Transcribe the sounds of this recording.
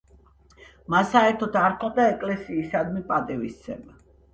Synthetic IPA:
masaɛɾt̪ʰɔt̪ʰaɾkʰɔd̪aɛkʼlɛsiːsad̪mipʼat̪ʼivist̪sʰɛ̰ma

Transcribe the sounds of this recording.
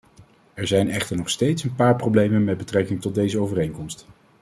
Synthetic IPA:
ɛɹzɛjnɛχtəɹnɔχstejtsənpaːɹprowblejmənmɛd̚bətrɛkɪŋtɔd̚dejzəowvərejŋkɔmst

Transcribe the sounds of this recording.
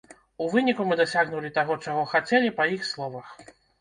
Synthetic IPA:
uvɨnʲikumɨd̪asʲaɣnulʲit̪aɣɔt͡ʂaɣɔxat͡sʲɛlʲipɐjixslˠɔvɐx

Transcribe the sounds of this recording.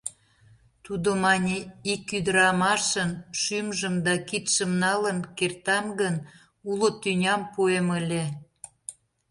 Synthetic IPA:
t̪ud̪omɑnʲeikyd̪əɾɑmɑʃənʃymʒəmd̪ɑkit̪ʃəmnɑlənkert̪ɑmɡən | ulot̪ynʲɑmpueməlʲe

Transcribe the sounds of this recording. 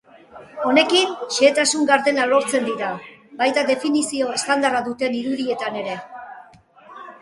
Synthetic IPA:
o̞ne̞kinʃe̞ːt̪asuŋɡaɾðe̞nalo̞ɾt͡se̞nd̪iɾabajt̪aðe̞finisio̞e̞st̪and̪araðut̪e̞niɾuðie̞t̪ane̞ɾe̞

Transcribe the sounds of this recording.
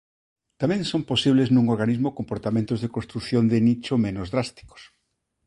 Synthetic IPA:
t̪amẽŋsomposiβleznũŋoɾɣanizmokompoɾt̪amẽnt̪ozðekõnst̪ɾuθjond̪ɪnit͡ʃomẽnozðɾast̪i̥ko̥s

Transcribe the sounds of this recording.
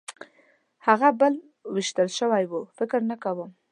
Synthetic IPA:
haɣabəl | wɪʃt̪əlʃəwajwufɪkɾnakawəm

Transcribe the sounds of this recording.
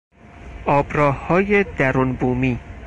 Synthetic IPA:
ʔɒːbɾɒːhhɒːjed̪æɾunbuːmiː

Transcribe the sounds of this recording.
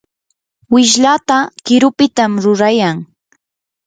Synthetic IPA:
wɪʃ̬lat̪akɪɾʊpɪt̪amɾʊɾajaŋ

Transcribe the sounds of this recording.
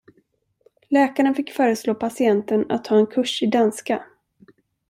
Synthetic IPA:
lɛːkaɾənfɪkːfœːɾəsloːpʰasɪɛnt̪əna̰t̪hɑːɛnkʰɵʂɪd̪anska

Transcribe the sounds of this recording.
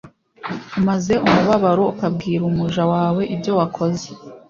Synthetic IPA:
umaze̞ʔumuβaβaɾo̞ukab̚ɡiːɾumuʒawaːwe̞ʔibjo̞wakʰo̞ze

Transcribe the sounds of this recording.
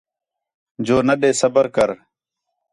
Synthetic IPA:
d͡ʑoːnəɗeːsəbəɾkəɾ

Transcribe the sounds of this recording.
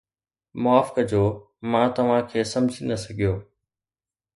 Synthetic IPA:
mʊaːfɪ̥kəd͡ʑoː | mãːt̪ɐʋ̤ãkʰeːsɐ̃md͡ʑʱinɐsɐɡʱijoː

